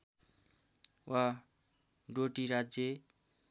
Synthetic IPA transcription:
wa | ɖoʈiɾad͡zje

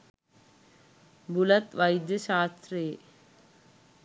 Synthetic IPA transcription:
bulɐt̪ʋɐjd̪jəʃaːst̪ɾeː

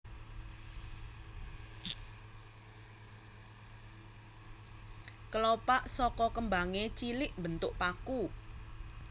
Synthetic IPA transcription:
kəlopaʔsɔkɔkəmbaŋet͡ʃilɪʔmbənt̪ʊʔpaku

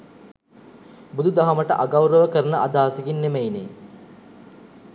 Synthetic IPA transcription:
bud̪ud̪aɦɐməʈəʔaɡawɾəʋəkəɾənəʔad̪aːsiɡinːemejnḛ

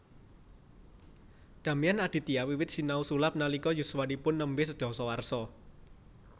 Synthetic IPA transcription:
d̪̥ä̤mianaɖ̪̥i̤t̪iawiwɪt̪̚sinausulap̚nalikɔjuswanipʊnːəmbɪsə̥d̪̥ɔ̤sɔwarsɔ

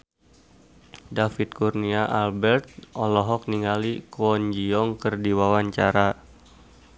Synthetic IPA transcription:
dafit̪̚kurniaʔalbɛrt̪̚ʔɔlɔɦɔk̚niŋalikɔɲd͡ʒiɔŋkərdiwawaɲt͡ʃaɾa

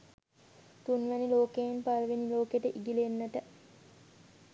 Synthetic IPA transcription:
t̪unʋæniloːkejenpalʋeniloːkeʈəʔiɡilenːəʈə

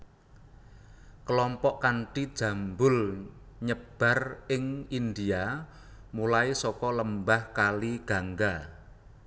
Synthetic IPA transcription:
kəlɔmpɔʔkaɳʈid̥ʒ̥a̤mbʊl | ɲəb̥ä̤rɪŋind̪ia | mulaisɔkɔləmbahkaliɡ̥a̤ŋɡa

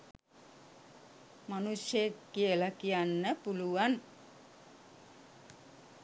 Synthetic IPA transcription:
manusjekːiəlakijanːəpuluʋan

